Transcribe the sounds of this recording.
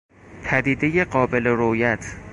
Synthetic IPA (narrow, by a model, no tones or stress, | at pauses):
pʰæd̪iːd̪eje̞ɢɒːbe̞le̞ɾojæt̪ʰ